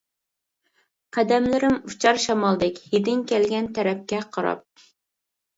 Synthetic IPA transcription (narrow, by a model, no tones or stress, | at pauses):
qʰæd̪ɛmlɪɾɪmut͡ʃʰɑɾʃɑmɑlˠd̪ɪkʲjid̪ɪŋkʲɛlɡʲɛnt̪ʰɛɾɛp̚kʲɛqʰɑɾɑ̰p̚